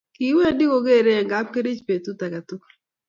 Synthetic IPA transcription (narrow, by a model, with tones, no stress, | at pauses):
ki˨˦we˦˨di˦ko˨ɡe˦˨ɾe˦ɛ˨ŋɡa˨˦p̚ke˦ɾi˦t͡ʃpe˨t̪u˦t̪a˨ɡa˨t̪u˦k